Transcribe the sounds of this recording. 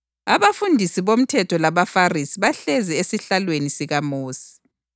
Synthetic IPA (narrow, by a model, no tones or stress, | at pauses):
aβafundʱisiβom̩tʰɛtʰɔlaβafarisiβaɬɛzɛesiɬalwenisiɣamoːsi̥